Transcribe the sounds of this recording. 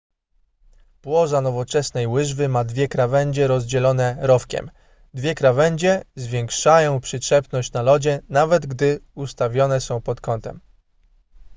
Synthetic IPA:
pwɔʐanɔvɔt͡ʂɛsnɛjwɘʐvɘmad̪vʲjɛkɾavɛɲd͡ʑɛɾɔzd͡ʑɛlɔn̪ɛɾɔfkʲɛ̰m | d̪vʲjɛkɾavɛɲd͡ʑɛzvʲjɛŋkʂajɔ̃w̃pʂɘtʂɛpnɔɕt͡ɕnalɔd͡ʑɛnavɛd̪ɡd̪ɘust̪avʲjɔnɛsɔ̃w̃pɔt̪kɔnt̪ɛm

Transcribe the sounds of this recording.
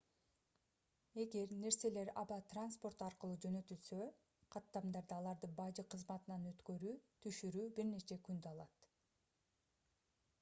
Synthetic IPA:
e̞ɡe̞ɾne̞ɾse̞le̞ɾɑbɑt̪ranspo̞rt̪ɑɾqɯlˠuːd͡ʒø̞nø̞t̪ylsø̞ | qʰɑt̪ːɑmd̪ɑɾd̪ɯɑlˠɑɾd̪ɯbɑd͡ʒɯqʰɯzmɑt̪ɯnɑnø̞t̪kø̞ɾyːt̪ʰyʃyɾyːbiɾne̞t͡ʃe̞kynd̪yɑlˠɑt̪

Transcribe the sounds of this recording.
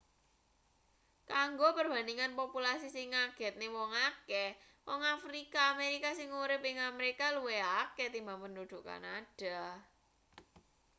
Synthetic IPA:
kaŋɡopərb̥a̤niŋanpopulasisɪŋaɡ̥ɛ̤t̪̚newɔŋakɛ | wɔŋafɾikaːmeɾikasɪŋuɾɪpɪŋamɾekaluweakɛt̪imampəndud̪̥ṳʔka̰nad̥a

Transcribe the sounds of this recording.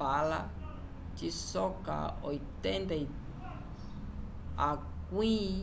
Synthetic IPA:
ala | t͡ʃisoka̰ojt̪ent̪ai | a | kwĩ

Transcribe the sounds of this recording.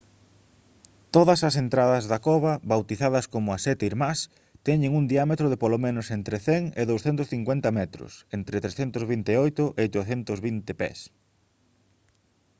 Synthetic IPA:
t̪oðɐsɐsent̪ɾaðɐzðɐkɔβɐβawt̪iθaðɐskomʊɐsɛt̪eiɾmas | t̪ɛɲɪŋund̪iamet̪ɾʊðɪpolomenʊsent̪ɾeθɛŋɪðowsθɛnt̪ʊsθiŋkwent̪ɐmɛt̪ɾʊ̰sent̪ɾet̪ɾesθɛnt̪ʊzβint̪ɪojt̪ʊʔejt̪oθent̪ʊzβint̪ɪpɛ̰s

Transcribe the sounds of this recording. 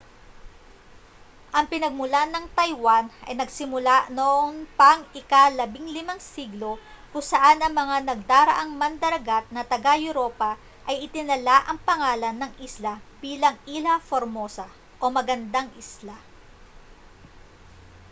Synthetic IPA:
ʔɐŋpɪnɐɡ̚mʊlanɐŋt̪ɐjwanʔɐ̰jnɐɡsɪmʊlanoʔonpɐŋɪkalɐbiŋlɪmaŋsiɡlo̞ | kʊŋsɐʔanɐŋmɐŋanɐɡ̚d̪aːɾɐ̰ʔaŋmɐnd̪ɐɾɐɡat̪̚nɐt̪ɐɡajʊɾo̞ːpɐ | ʔɐjɪt̪ɪnɐlaʔɐŋpɐŋaːlɐnːɐŋʔislab̥iːlɐŋilɐfoɾmo̞ːsɐ | ʔo̞mɐɡɐnd̪aŋʔɪsla

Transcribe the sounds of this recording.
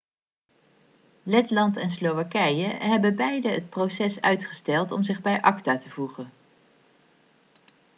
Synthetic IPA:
lɛtlɑntɛnslowakɛjəɦɛbəbɛjdəɦət̚prowsɛsœ̰ɥtχəstɛlˠtɔmzɪχbɛjʔɑktaːtəvuχən

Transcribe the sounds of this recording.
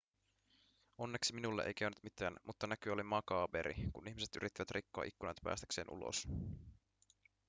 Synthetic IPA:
o̞nːe̞ksiminulːeʔḛjkæɥnyt̪mit̪ˑæːnmut̪ːɑnækyo̞limɑkɑːbe̞̰ɾḭkunʔiçmise̞t̪y̰ɾit̪ːiʋæt̪rʔikːoɑ̰ʔikːunɑ̰jt̪pæ̰ːst̪æ̥kse̞ːnʔṵlo̰s

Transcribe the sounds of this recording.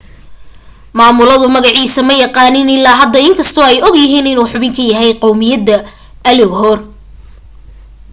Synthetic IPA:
maːmʊlɐðʊmɐɣɑʕiːsɐmɐjɑqɑːnɪnɪlaːɦɐd̪ɐɪŋkʰɐst̪ʰɔːɛjɔɡjɐɪɦiːnɪnuːħʊβɪŋkʰɐjɐɦɛjqɑwmɪjɐd̪ɐ | ʔɐlɪɡɦɔːr

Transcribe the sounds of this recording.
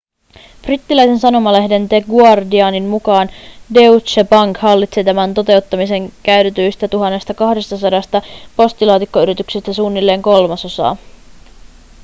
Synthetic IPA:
frit̪ːilæjse̞nsɑno̞mɑle̞ɦde̞nt̪eɡuɑrdiɑːninmukɑːnde̞ut͡ʃːepɑŋkhɑlːit̪set̪æmænt̪o̞t̪e̞ut̪ːɑmise̞ŋkæyt̪et̪yjst̪æt̪uɦɑnːe̞st̪ɑkɑhde̞st̪ɑsɑdɑst̪ɑpo̞st̪ilɑːt̪ikːo̞yɾit̪yksist̪æsuːnːilːe̞ːŋko̞lmɑso̞sɑ̰ː

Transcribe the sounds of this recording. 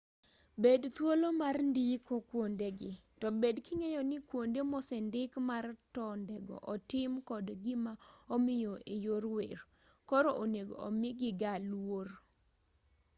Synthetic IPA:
bedt̪wolomarndikokwondeɡɪtɔbedkiŋejɔnɪkwondemɔsɛndɪkmartɔndɛɡɔ̰ʔɔtɪmkɔdɡɪmaomɪjoejoɾwḛr | kɔɾɔʔoneɡo̰o̰mɪɡɪɡalwor

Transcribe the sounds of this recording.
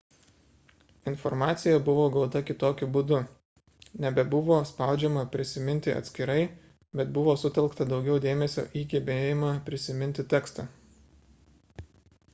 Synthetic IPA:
ɪnfɔɾmɑːt̪sʲɪjɛbʊʋoːɡɐlˠt̪ɐkʲɪt̪oːkʲʊbʊd̪ʊ | nʲɛbʲɛbʊʋoːspɑˑʊd͡ʒʲɛmɐpʲɾʲɪsʲɪmʲɪnʲt̪ʲɪɐ̰t̪ʲsʲkʲɪɾɐɪ | bʲɛt̪bʊʋoːsʊt̪ʲɛlˠkt̪ɐd̪ɒʊɡʲɛʊd̪ʲeːmʲɛsʲo̰ʔiːɡʲɪbʲeːjɪmɐpʲɾʲɪsʲɪmʲɪnʲt̪ʲɪt̪ʲɛːkst̪ɐ

